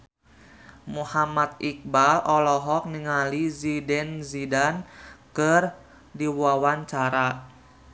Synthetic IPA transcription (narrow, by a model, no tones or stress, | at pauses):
muhamat̪̚ik̚balɔlɔɦɔk̚niŋalizidɛnzidankər | diwawant͡ʃaɾa